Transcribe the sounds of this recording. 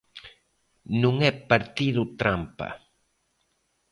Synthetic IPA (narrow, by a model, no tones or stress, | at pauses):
nũŋɛpaɾt̪iðut̪ɾampa̰